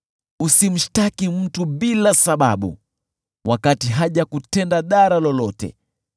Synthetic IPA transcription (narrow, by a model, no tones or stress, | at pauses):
usim̩ʃtakim̩tuɓilasaɓa̰ɓṵ | wʔakatiɦaʄakutɛndaɗaɾalɔlɔtɛ̰